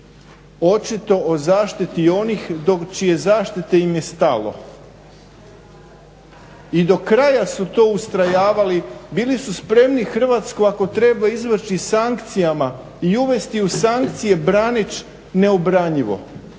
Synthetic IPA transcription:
o̞t͡ʃit̪o̞ʔozaːʃt̪it̪io̞nixd̪o̞kt͡ʃije̞zaːʃt̪it̪e̞imje̞st̪alˠo̞̰ | id̪o̞kɾajasut̪o̞ːust̪ɾajaːʋalibiːlisuspɾe̞mnixr̩ʋat̪skoako̞t̪ɾe̞baizʋr̩ʃisaŋkt̪sijama | iuʋe̞st̪iusaŋk̚t̪sije̞bɾanit͡ʃ | ne̞obɾaɲiʋo̞̰

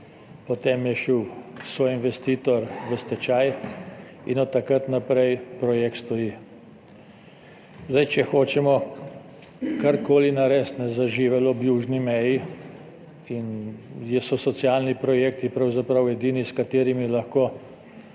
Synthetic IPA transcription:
pɔt̪emjɛʃiwsʋoːjinʋɛst̪iːt̪ɔɾʋəst̪ɛt͡ʃaj | inɔt̪ːakat̪napɾɛjpɾɔjek̚t̪st̪ɔji | zd̪ajt͡ʃɛxoːt͡ʃɛmɔ | kaɾkoːlinaɾɛst̪nɛzaʒiʋɛlɔbjuːʒnimɛji | injɛsɔsɔt̪sialnipɾɔjeːk̚t̪ipɾawzapɾawɛd̪iːniskat̪eːɾimilɐxkoː

